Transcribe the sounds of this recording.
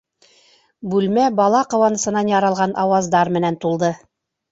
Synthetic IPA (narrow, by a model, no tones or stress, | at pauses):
bʉlmæbɑlˠɑqŏwɑnɤ̆sɤ̆nɑnjɑɾɑlˠʁɑnʔɑwɑzd̪ɑɾmɘ̆nænt̪ulˠd̪ɤ